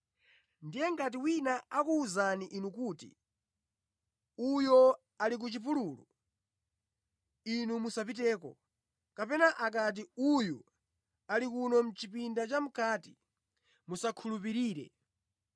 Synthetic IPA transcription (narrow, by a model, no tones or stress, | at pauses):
ndijɛŋ̩kat̬iwinaakuːzaniʔinukuːtḭ | ujɔ | alik̬ut͡ʃipuluːlu | inumusapitɛːkɔ̰ | kapɛnaʔakat̬iuju | alikunɔm̩t͡ʃipindat͡ʃam̩kaːti | musakʰulup̬iɾiːɾɛ̰